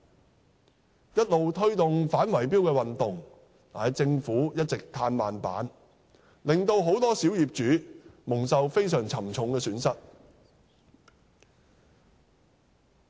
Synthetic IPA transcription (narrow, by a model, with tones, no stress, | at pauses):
jɐ˥t̚lo˨wt̪ʰɵ˥ɥt̪ʊ˨ŋfaː˨˥nwɐ˨˩jpiː˥wkɛː˧wɐ˨nt̪ʊ˨˩ŋ | t̪aː˨t͡sɪ˧ŋfuː˨˥jɐ˥t̚t͡sɪ˨k̚t̪ʰaː˧nmaː˨npa̰ː˨˥n | lɪ˨˩ŋt̪o˧wɦo˨˥wt̪ɔː˥si˨˥wjiː˨p̚t͡ʃyː˨˥mʊ˨˩ŋsɐ˨wfe˥jsœː˨˩ŋt͡sʰɐ˨˩mt͡sʰʊ˨˥ŋkɛː˧syː˨˥nsɐ˥t̚